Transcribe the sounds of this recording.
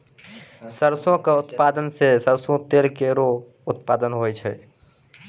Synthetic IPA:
səɾsõkeʊt̪paːd̪ənsesəɾsõt̪eːlkeɾo | ʊt̪paːd̪ənɦojt͡ʃʰɛ̰

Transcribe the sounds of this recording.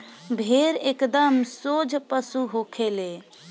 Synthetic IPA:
bʱeɾekd̪əmsod͡ʒʱpəsuɦokʰele

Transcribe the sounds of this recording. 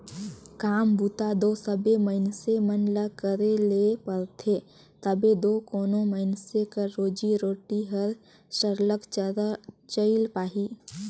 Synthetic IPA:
kaːmbuːt̪ad̪oːsəbeməɪnsemənləkəɾelepəɾt̪ʰe | t̪əbed̪oːkoːnõməɪnsekəːoːd͡ʒiɾoːʈiɦəɾ | səɾlək | t͡ʃəɪlpaːɦiː

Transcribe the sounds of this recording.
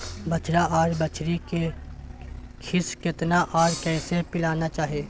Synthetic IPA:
bɐt͡ʃʰɾaʔɔːɾbɐt͡ʃʰɾike | kʰɪskɪt̪naʔɔːɾkɛːsepɪlaːnat͡ʃaːɦieː

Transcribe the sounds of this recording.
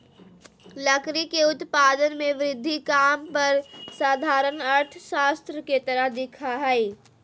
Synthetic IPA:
lɐkɾikeʊt̪paːd̪ənmẽʋɾɪd̪ʱːikaːmpɐɾsaːd̪ʱaːɾənəɾʈ̪ʰʃaːst̪ɾəket̪ɐɾəɦd̪ɪkʰaɦɛɪ

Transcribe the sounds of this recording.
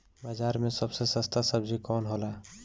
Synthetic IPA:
bad͡ʒaɾmẽsəbsesəst̪ʰasəbd͡ʒikɔnɦola

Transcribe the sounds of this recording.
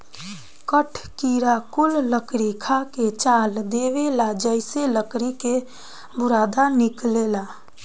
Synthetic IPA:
kəʈʰkiɾakʊlːəkɾikʰaket͡ʃaːld̪ewelad͡ʒəɪseləkɾike | bʊɾaːd̪anɪklela

